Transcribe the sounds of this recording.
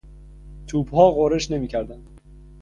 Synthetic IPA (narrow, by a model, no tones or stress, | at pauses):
t̪ʰuːbhɒːɣoɾeʃne̞miːcʰæɾd̪ænd̪̥